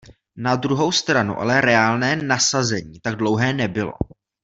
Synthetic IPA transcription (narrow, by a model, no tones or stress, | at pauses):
nad̪ɾuɦo̞wst̪ɾanṵʔa̰lɛɾɛaːlnɛːnasazɛɲiːt̪aɡ̚dlo̞wɦɛːnɛbɪlo̞̰